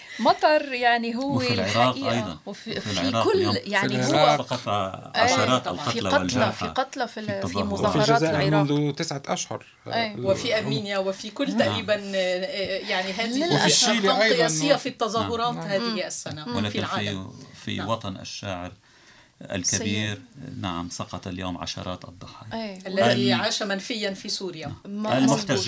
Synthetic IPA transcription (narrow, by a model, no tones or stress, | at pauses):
mɑt̪ˤɑɾˤjaʕniɦʊwːɪlɾaɑːqːʔɑ̰jdˤɑ̰fiɑːkʊlːjaʕniɪɾɑɑqɑʔɑɾɑːt̪ːˤɑʕfiɑllɑfiqɑt̪ˤlɑfifimʊzɑfiɾʒˤaɑːzaːʔɪɾmɾʊnðʊt̪ɪsʕaʔaʃhʊ̰ɾˤ | wɪfiʔaɾmiːnjawɪfikʊlːt̪aʔɾiːban | jaʕniɦaːðɪfiʃiːlɑɑˤɨjasɪjːafit̪ːɑzˤɑːhʊɾˤɑːt̪haːɪhiʔasːanawɪlaːfilʕaːfḭwɑt̪ˤɑnʔa̰ʃːaːʕɪɾ | ʔa̰lkabiːɾnaʕa̰msɑqɑt̪aljoːmʕa̰ʃɑ̰ɾˤɑːt̪ʔɑ̰d̪ˤːʊħɑːjʔalːaðiʕaːʃamanfɪjːanfisuːɾjamalmʊħt̪aʒ